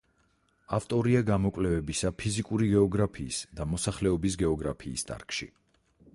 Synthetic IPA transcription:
aft̪ʼɔɾiaɡamɔkʼlɛvɛbisapʰizikʼuɾiɡɛɔɡɾapʰḭːsd̪amɔsaχlɛɔbis̬ɡɛɔɡɾapʰiːst̪ʼa̰ɾkʼʃḭ

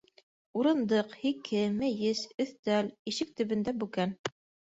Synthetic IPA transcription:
uɾɤ̆nd̪ɤqhikʰɘmɘ̆jɘzɵ̆θt̪æliʃɘk̚t̪ɵ̆βɘ̆nd̪æbʉɡæn

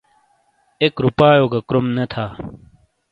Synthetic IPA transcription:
ekɾupaːjoːɡɐkɾomnet̪ʰaː

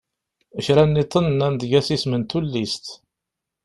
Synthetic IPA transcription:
əʃɾænːit̪ˤːənənænd̪ʝæsismənt̪ulːist̪

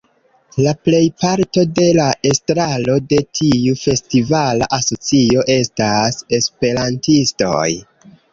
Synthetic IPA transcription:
laple̞jpaɾto̞de̞laestɾalo̞de̞tʰiufe̞stivala̰ʔaso̞t͡sio̞ʔe̞stase̞spe̞ɾantisto̞̰j

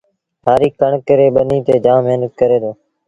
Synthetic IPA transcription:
ɦaːɾiːkəɳkəɾeːɓəniːt̪eːd͡ʒãːmeːnəkkəɾeːd̪oː

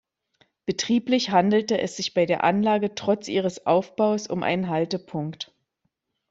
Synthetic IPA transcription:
b̥ətʁ̥iːplɪçhandl̩təʔɛ̰sz̥ɪçb̥aɪdeːɐʔanlaːɡətʁ̥ɔt͡sʔiːʁ̞əsʔa̰ʊfb̥aʊsʊmʔa̰ɪnənɦaltəpʰʊŋkt

